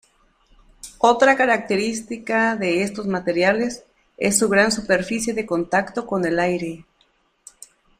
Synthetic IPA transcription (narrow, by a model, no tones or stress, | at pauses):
o̞t̪ɾakaɾak̚t̪e̞ɾist̪ikaðe̞est̪o̞zmat̪e̞ɾjale̞s | ḛsːuɣɾansupe̞ɾfisje̞ðe̞ko̞nt̪akt̪o̞ko̞ne̞lajɾe̞